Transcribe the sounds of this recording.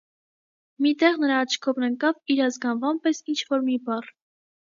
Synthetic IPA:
mit̪ɛʁnəɾɑːt͡ʃʰkʰɔvnəŋkɑviɾɑzɡɑnvɑmpɛsint͡ʃʰvɔɾmibɑr

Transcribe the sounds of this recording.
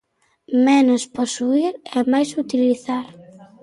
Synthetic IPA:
mɛnosposuiɾɛmajsut̪iliθaɾ

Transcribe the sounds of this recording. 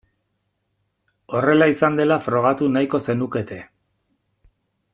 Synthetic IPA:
o̞re̞laisand̪e̞lafɾo̞ɣ̞at̪unajko̞se̞nuke̞t̪e̞

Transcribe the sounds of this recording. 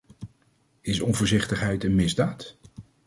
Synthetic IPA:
ɪsɔnvʊːɹzɪχtəχɦɛjtənmɪzdaːt

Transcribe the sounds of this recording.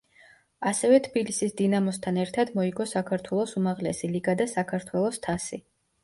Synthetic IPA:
asɛvɛt̪ʰbilisisd̪inamɔst̪ʰanɛɾt̪ʰad̪mɔiɡɔsakʰaɾt̪ʰwɛlˠɔsumaʁlɛsiliɡad̪asakʰaɾt̪ʰwɛlˠɔst̪ʰasi

